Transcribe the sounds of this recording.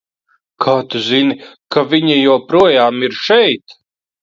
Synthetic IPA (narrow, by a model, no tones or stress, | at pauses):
kʰaːt̪uzinkavʲiɲijɔwpɾuɔjaːmiɾʃɛjt̪